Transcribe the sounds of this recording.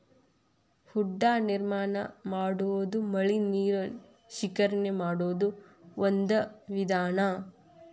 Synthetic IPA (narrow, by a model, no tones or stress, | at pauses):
huɖːaːniɾmaːnɐmaːɽuʋod̪umɐɭiniːɾɐ | ʃikɐɾɐnemaːɽoːd̪u | ond̪ɐʋid̪aːnɐ